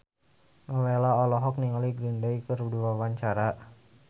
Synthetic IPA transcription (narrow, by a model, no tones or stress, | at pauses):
ŋəwelaɔlɔɦɔk̚niŋaliɡɾindajkərduwawaɲt͡ʃaɾa